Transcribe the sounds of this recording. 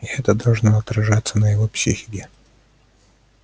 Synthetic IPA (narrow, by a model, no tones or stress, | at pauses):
ɪɛt̪əd̪ɐlˠʐnoɐt̪ɾɐʐat̪sːənəjɪvopsʲḭxʲɪ̥kʲɪ